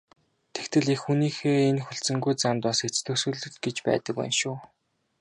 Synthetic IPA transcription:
t̪ʰe̥kt̪ɘ̆ɮexxuniːxeːenxɵɬt͡sɘ̆ŋɡujt͡samt̪ɔset͡st̪ʰɵ̆sɵ̆ːɮɵ̆t̪ɡet͡ɕpæ̰ːt̪ə̆kwæ̰ːnʃʊː

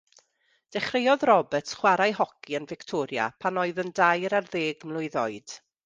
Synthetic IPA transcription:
d̥ɛχrejɔðrɔbətχwaɾajɦɔkʰiənvɪktʰɔɾja̰pʰanoɨðəndajɾarðeːɡmlˠʊɨðɔɨd̥

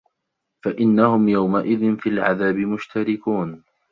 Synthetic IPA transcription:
faʔɪnːahʊmjawmaʔɪðɪnfilʕaðaːbɪmʊʃt̪ʰaɾɪkuːn

